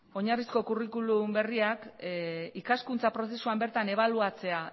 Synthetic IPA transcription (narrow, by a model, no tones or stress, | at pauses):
o̞ɲarisko̞kurikulumbe̞riak | ikaskunt͡sapɾo̞s̬e̞suambe̞ɾt̪ane̞β̞aluat͡se̞a